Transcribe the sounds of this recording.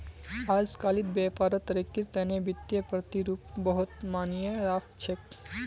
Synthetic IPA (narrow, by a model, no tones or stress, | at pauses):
aːd͡ʒkaːlid̪beːpaːɾət̪ɾikːiɾt̪ɛːnebɪt̪jepɾɐt̪iɾuːpbəɦʊt̪maːnjeɾaːkt͡ʃʰek